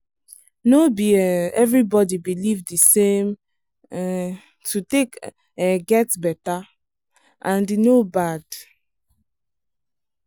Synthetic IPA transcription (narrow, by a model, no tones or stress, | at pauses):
nobiɛɛvɹibɔdibilivdisẽm | tʰutek | ɛɡɛtbɛta | ʔãndinobad̥